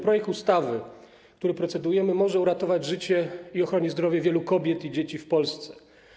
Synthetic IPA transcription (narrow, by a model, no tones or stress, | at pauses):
pɾɔjɛk̚t̪ust̪avɘ | kt̪uɾɘpɾɔt̪sɛd̪ujɛmɘmɔʐɛuɾat̪ɔvad͡ʑʐɘt͡ɕɛiɔxɾɔɲizd̪ɾɔvʲjɛvʲjɛlukɔbʲjɛt̪id͡ʑet͡ɕifpɔlst̪sɛ̥